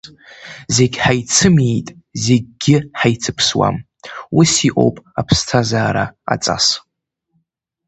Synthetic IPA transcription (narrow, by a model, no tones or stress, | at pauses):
ze̞ɡʲħajt͡sʰɨmejtʼ | ze̞ɡ̚ʲɡʲɪħajt͡sʰɨpʰswa̰m | wisiʔʼo̞̰wpʼapʰstʰazaːɾa̰a̰t͡sʼa̰s